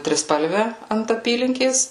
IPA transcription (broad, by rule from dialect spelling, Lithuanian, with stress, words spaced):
tʲrʲɪˈspɐlʲʋʲɛ ɐnt ɐˈpʲiːlʲɪŋʲkʲeːs